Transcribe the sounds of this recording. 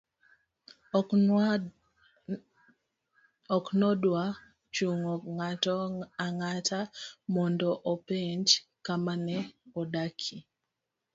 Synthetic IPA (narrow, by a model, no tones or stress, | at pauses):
ɔknɔdwa | t͡ʃuŋɔŋatɔaŋatʰamɔndɔʔopeɲd͡ʒkamanɛɔdakʰi